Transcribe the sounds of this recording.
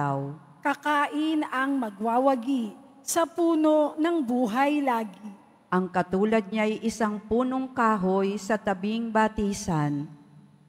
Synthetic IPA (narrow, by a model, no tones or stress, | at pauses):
aw | kɐkaːʔɪnɐŋmɐɡ̚waːwɐɡi | sɐpuːnonɐŋbuːɦɐjlaːɡɪ | ʔɐŋkɐt̪uːlɐd̪̚ɲaʔɐjʔɪsaŋpuːnoŋkaːɦojsɐt̪ɐbɪŋbat̪iːsan